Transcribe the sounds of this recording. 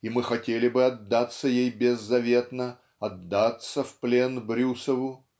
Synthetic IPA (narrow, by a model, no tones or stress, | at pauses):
imɨxɐtʲelʲɪbɨɐd̪ːat̪sːəjejbʲɪzːɐvʲe̞t̪nə | ɐd̪ːat̪səfplʲe̞nbɾʲusəvʊ